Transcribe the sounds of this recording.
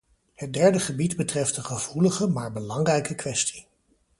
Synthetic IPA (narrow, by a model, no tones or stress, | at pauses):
hət̚dɛɹdəχəbidbətrɛftəχəv̥uləχəmaːɹbəlɑŋrɛjkəkʋɛsti̥